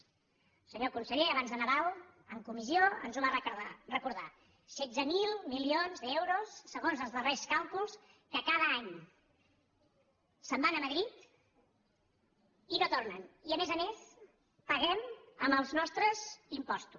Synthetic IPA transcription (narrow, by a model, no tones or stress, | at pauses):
səɲokunsəʎeəβanzðənəðalˠ | əŋkumizioə̰nzuβarəarəkuɾða | sɛd͡zzəmilˠmilionzðɛwɾusːəɣonzəlˠzðəreskalˠkulˠs | kəkaðəaɲ | səmbanəməðɾit̪ | inot̪ornəniəmezəmes | pəɣ̞ɛməmbəlˠznɔst̪ɾəzimpɔst̪u